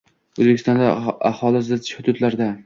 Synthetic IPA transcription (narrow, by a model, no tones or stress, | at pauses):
ɵzbekʲʰɪst̪ɒnd̪aahɒlˠɪsd̪ʃʊd̪ʊd̪laɾd̪a